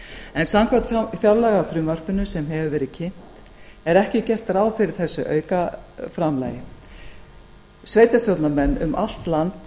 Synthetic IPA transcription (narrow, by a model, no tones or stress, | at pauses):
ɛnsamkʰvat̪fjaɾlaɣafɾʏːmvar̥pʏnʏsɛmɦɛvʏvɛːɾɪðcʰɪm̥t̪ | ɛɾɛhcɪcɛr̥t̪raːwfɪɾɪɾ̥θɛsːʏʔœ̰ːɥkafɾamla̰ːjɪ | svejt̪ast̪jowt̪namɛnːʏ̰mʔa̰l̥t̪lant̪